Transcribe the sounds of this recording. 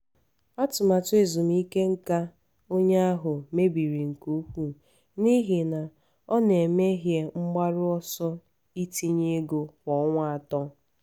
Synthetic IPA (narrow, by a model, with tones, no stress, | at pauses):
a˦tʊ˨ma˨tʊ˦e˨zʊ˨m˦i˦ke˦ŋ̩˦ka˦ | o˦ɲe˦a˦ɦʊ˨me˦bi˨ɾi˨ŋ̩˨ku˦ɸʷu˦ | ni˦ɦi˨na˨ | ɔ˦ne˨me˦ɦje˨ŋ͡m̩˦ɡ͡ba˦ɾʊ˦ɔ˦sɔ˦ | i˦ti˦ɲe˦ɡo˨wɔ˨˦ŋʷa˦˨a˨tɔ˦